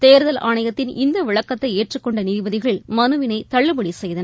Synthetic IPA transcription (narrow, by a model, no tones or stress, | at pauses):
t̪eːɾðɐlaːɳɐjɐt̪ːɪnɪnd̪ɐʋɪɭɐkːɐt̪ːɐɪeːʈrɯkːɔɳɖɐnɪɾʋɐðɪɣɐɭmɐnɯʋɪnɐɪt̪ɐɭːɯbɐɽisɛjðɐnɐ